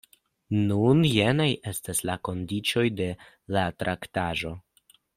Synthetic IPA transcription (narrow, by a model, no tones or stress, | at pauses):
nunjenajʔe̞staslako̞ndit͡ʃo̞jde̞ | latɾʔaktaʒo̞